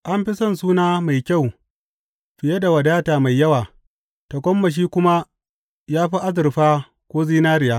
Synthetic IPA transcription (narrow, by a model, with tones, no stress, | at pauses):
ʔa˦mɸɪ˦sɐ˦ns̬uː˦naː˦ma˨jkʲa˦˨w | ɸɪ˨je˦da˨wɐ˨daː˦taː˨ma˨jːɐ˦waː˨ | ta˨kʷɔ˦mːɐ˨ʃ̬iː˦kʷʊ˦ma˦ | jaː˦ɸi˦ʔa˦zɪ˨rɸaː˦ | kʷoː˦ziː˦naː˦ɾɪ˨jaː˦